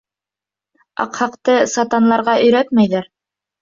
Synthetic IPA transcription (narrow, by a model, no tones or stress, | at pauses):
ɑ̰qhɑqt̪ɤsɑt̪ɑnlˠɑɾʁɑʔɵ̆jɾæt̪mæjðæɾ